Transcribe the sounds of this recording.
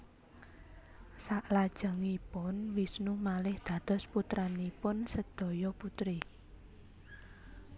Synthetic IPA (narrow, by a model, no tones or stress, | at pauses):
saʔlad̥ʒ̥ə̤ŋipʊnwisnumalɪhd̪̥a̤d̪̥ɔ̤sput̪ɾanipʊnsəd̪̥ɔ̤jɔput̪ɾi